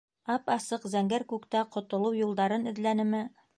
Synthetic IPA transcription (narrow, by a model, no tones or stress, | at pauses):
ɑpɑsɤqzæŋɡæɾkʉkt̪æqŏt̪ŏlˠɤwjulˠd̪ɑɾɤnɘ̆ðlænɘ̆mɘ